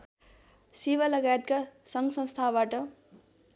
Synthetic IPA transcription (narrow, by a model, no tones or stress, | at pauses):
sibalʌɡajet̪̚kasʌŋɡsʌ̃nst̪ʰabaʈʌ